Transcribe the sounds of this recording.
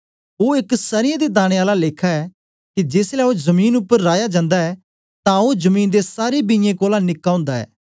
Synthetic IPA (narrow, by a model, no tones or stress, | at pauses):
oːɪksəɾɪjãd̪ed̪aːɽ̃eaːlaleːkʰːaɛː | kid͡ʒɪːslɛːozəmiːnʊpːəɾːaːjad͡ʒãːnd̪aɛː | t̪ãozəmiːnd̪esaːɾebɪ̃jẽkoːlanɪkːãːʊ̃ːnd̪aɛ̰ː